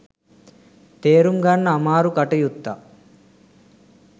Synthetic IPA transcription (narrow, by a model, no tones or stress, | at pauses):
t̪eːɾumɡanːɐːmaːɾukɐʈɐjut̪ːa